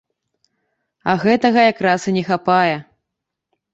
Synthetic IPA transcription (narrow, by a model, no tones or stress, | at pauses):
ɐɣɛt̪ɐɣɐjakɾasɨnʲɛxapajɛ